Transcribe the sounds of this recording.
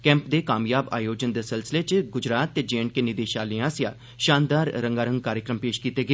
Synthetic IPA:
kɛ̃ːmpd̪eːkaːmjaːba̰ːjoːd͡ʒənd̪eːsɪlsɪleːt͡ʃɡʊd͡ʒɾaːt̪ːeːd͡ʒeːɳʈkeːnɪd̪eːʃaːlɪãːsjaː | ʃaːnd̪aːɾːəŋɡaːɾəŋɡ̚kaːɾjəkɾəmpeːʃkiːt̪eːɡeː

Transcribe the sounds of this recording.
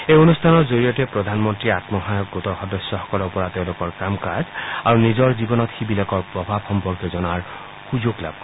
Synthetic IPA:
ejonustʰanɔtzoɹijɔtɛpɹɔd̪ʱanmɔntɹiat̪mɔɦajɔk̚ɡotɔxɔdɔsːɔxɔ̥kɔlɔɹpɔɹateʊ̃lokɔɹkamkazaɹunizɔɹzibɔnɔt̪xibilɔkɔɹpɹɔbʱabxɔmpɔɹɡɛzɔnaɹ | xuzoɡla̰b̚kɔ

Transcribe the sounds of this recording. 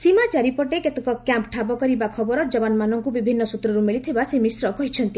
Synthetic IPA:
simat͡ʃaɾipɔʈeket̪ekɔkjampʈʰabɔkɔɾibakʰɔbɔɾɔd͡ʒɔbanmanɔŋkubibʱinːɔsut̪ɾɔɾumiɭit̪ʰibasemisɾɔkɔɦit͡ʃʰɔnt̪i

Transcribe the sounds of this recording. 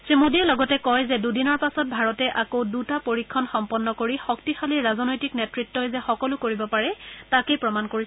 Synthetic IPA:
sɹimodiɛlɔɡɔtɛkɔjzɛdudinɔɹpasɔt̚bʱaɹɔtɛʔakowdutapoɹikʰːɔnxɔmpɔnːɔkoɹixɔktixaliɹazɔnɔjtiknetɹitːɔjzɛxɔkɔlʊkoɹibɔpaɹɛtakejpɹɔmankoɹis

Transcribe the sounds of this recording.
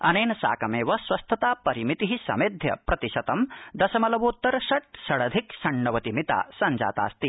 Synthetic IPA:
ɐ̰neːnɐsa̰ːkɐmeːʋɐswɐst̪ʰɐt̪aːpɐɾimit̪iɦisɐ̰med̪ʱjɐpɾɐt̪iʃɐt̪ɐmd̪ɐsɐmɐlɐʋoːt̪ːɐɾsɐʈ̚sɐɽɐd̪ʱiksɐɳːɐʋɐt̪imit̪a̰ːsɐnd͡ʒa̰ːt̪a̰ːst̪i

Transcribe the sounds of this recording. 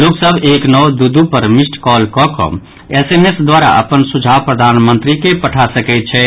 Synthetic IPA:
loksəbʱeknɔwd̪ud̪upəɾmisʈʰkɔlkɔkɔ̰̃ | esemesd̪waɾa̰ʔə̰pənsud͡ʒʱapɾəd̪ʱanmənt̪ɾikepəʈʰasəkɛɪt̪̚t͡ʃʰɛ

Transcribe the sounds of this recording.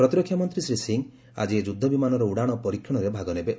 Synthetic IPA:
ɾɔt̪iɾɔkʰjamɔnt̪ɾisɾisiŋ | a̰d͡ʒied͡ʒud̪ʱːɔbimanɔɾɔuɽaɽ̃ɔpɔɾikʰjɔɽ̃ɔɾebʱaɡɔnebe

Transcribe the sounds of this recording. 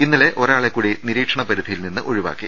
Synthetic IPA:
inːɐle̞ʔʔo̞ɾaːɭekːuːɽiniɾiːʈʂɐɳɐpɐɾud̪ʱijilninːɨʔoɻiʋa̰ːkːi

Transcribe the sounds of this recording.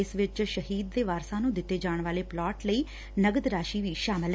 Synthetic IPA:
ɪsʋɪt͡ʃʃəɦiːd̪̚ːeːʋaːɾsãːnũːd̪ɪt̪ːeːd͡ʒaːɳ̃ʋaːleːplɔːʈləiː | nəɡəd̪ɾaːʃiːʋiːʃaːmɪl

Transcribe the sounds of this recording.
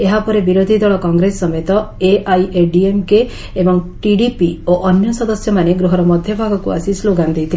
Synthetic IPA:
eɦapɔɾebiɾod̪ʱid̪ɔɭɔkɔŋɡɾesːɔmet̪ɔ | eʔajeɖiemke | ebɔŋʈiɖipioʔɔnjɔsɔd̪ɔsjɔmaneɡɾuɦɔɾɔmɔd̪ʱjɔbʱaɡɔkua̰sisloɡand̪et̪ʰi

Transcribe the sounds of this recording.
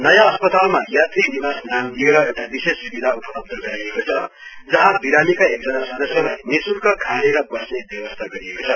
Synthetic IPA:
nʌjãʌspʌt̪almajat̪rinibasnamd̪ieɾʌewʈabisesːubid̪ʱaupʌlʌb̚d̪ʌɡʌɾiekot͡sʰʌ | d͡zʌɦãbiɾamikaek̚d͡zʌnasʌd̪ʌsjʌlajnisurkʰʌkʰaleɾʌbʌsnebjʌwʌst̪ʰaɡʌɾiekot͡sʰʌ

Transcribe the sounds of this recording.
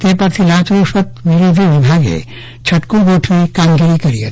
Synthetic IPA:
t̪eɾpaɾt̪ʰilat͡ʃɾoʃɔt̪biɾod̪ʱibibʱaɡḛ | t͡ɕʰəʈkuɡoʈʰiikaŋɡiɾikəɾiḛ

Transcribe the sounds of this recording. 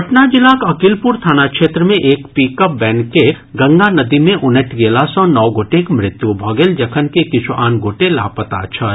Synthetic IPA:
ɐʈnad͡ʒɪlaːkɐkɪlpʊɾt̪ʰaːnakʃeːt̪ɾəmẽʔeːkpiːkəp̚bɛ̃ːnkːe | ɡɐ̃ŋɡanɐd̪imẽʔʊnəʈɡeːlasɔ̃nɔːɡoːʈekmɾɪt̪jubʱɔːɡeld͡ʒɐkʰənkekɪt͡ʃʰuʔaːnɡoːʈela̰ːpət̪a̰ːt͡ʃʰə

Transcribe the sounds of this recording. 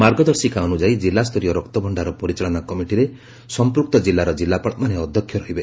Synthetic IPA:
maɾɡɔd̪ɔɾsikaɔnud͡ʒaid͡ʒilːast̪ʰɔɾijɔɾɔkt̪ɔbʱɔɳɖaɾɔpɔɾit͡ʃaɭɔnakɔmiʈiɾe | sɔmpɾuk̚t̪ɔd͡ʒilːaɾɔd͡ʒilːapɔɭmaneɔd̪ʱjɔkʰjɔɾɔɦibe

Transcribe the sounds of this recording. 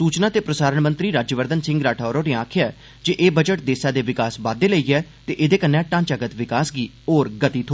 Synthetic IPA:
suːt͡ʃnaːt̪eːpɾəsaːɾəɳmə̃nt̪ɾiːɾaːd͡ʒjəʋəɾd̪ənsɪ̃ŋɡɾaːʈʰaɔːɾoːɾeːãːkʰɪjaːɛ̰ː | d͡ʒeːʔeːbəd͡ʒəʈ̚d̪eːsaːd̪eːʋɪkaːsbaːd̪eːləiːɛːt̪eːʔɪd̪eːkənːãːʈãːɲt͡ʃəɡət̪ʋɪkaːsɡiː | oːɾɡət̪iːt̪ʰoː

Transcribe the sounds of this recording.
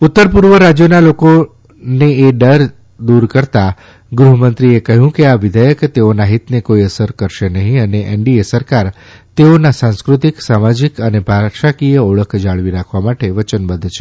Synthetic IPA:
ʊt̪ːəɾpuɾʋəɾad͡ʒjonaloko | neːɖəɾ | d̪uɾkəɾt̪a | ɡɾuɦəmənt̪ɾiekəɦjũkeaʋɪd̪ʱəjəkt̪eonaɦɪt̪nekoiəsəɾkəɾʃenəɦĩəneʔɛ̰ɳɖiesəɾkaɾ | t̪eonasãnskɾʊt̪iksamad͡ʒikənebʱaʃakijəoɭəkʰd͡ʒaɭʋiɾakʰʋamaʈeʋət͡ʃənbəd̪ʱt͡ʃʰe

